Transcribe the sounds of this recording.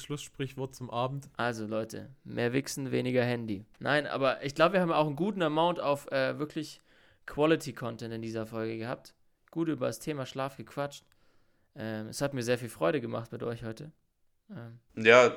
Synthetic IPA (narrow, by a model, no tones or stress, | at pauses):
ʃlʊsʃpʁ̥ɪçv̥ɔɐt̚t͡sʊmʔaːbm̩tʔalzolɔʏtʰə̰mʔḛːɐvɪksn̩vḛːnɪɡɐhɛndina̰ɪnʔa̰ːbɐʔɪ̰çɡ̥laʊbəviːɐhaːbm̩a̰ʊxn̩ɡuːtn̩ɛɐmaʊntaʊfʔɛːvɪɐkʰlɪç | kʰw̥ɔlɪtʰikʰɔntɛntɪndiːzɐfɔlɡəɡəha̰ːp̚t | ɡ̥uːtʔyːbɐdastʰeːmaːʃlaːfɡ̥əkʰv̥at͡ʃt | ʔɛːmɛshatmiːɐzeːɐfiːlfʁ̥ɔʏɾəɡəma̰χtmɪtʔɔ̰ʏçhɔʏtə | ʔɛːmjaː